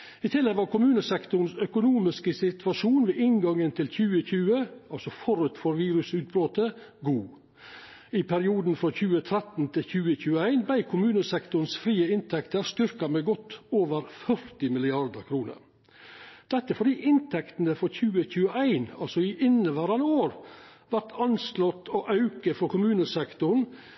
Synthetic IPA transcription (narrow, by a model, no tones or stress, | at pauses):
ɪt̪ʰɪlːɛɡʋɑɾkʊmʉːnəsɛkt̪ʊɾn̩sœkʊnuːmɪskəsɪt̪ʰʋɑʂuːnʋeːʔɪŋɡɑŋːənt̪ʰɪlçʉːəçʉːəɑlsɔfɔɾʉt̪fɔɾʋiːɾʉsʉːt̪̚bɾoːt̪əɡuː | ɪpʰæɾɪuːd̪n̩fɾɔçʉːət̪ʰɾɛt̪n̩t̪ʰɪlçʉːəçʉːəæɪnbæɪkʰʊmʉːnəsɛkt̪ʊn̩sfɾiːəɪnt̪ʰɛkt̪əɾst̪ʏɾkɑmeːɡɔt̪ːoːʋəɾfœɾt̪ɪmɪlɪɑɾd̪əɾkʰɾuːnə̰ɾ | d̪̥ɛt̪ːəfɔɖ̪iːʔɪnt̪ʰɛkt̪n̩əfɔɾçʉːəçʉːəæɪnɑlsɔɪʔɪnəʋæːɾɑnəoːɾʋæɾʈ̪ʰɑnslɔt̪ːɔʔɑʉkəfɔɾkʰʊmʉːnəsɛkt̪ʊɾɳ̩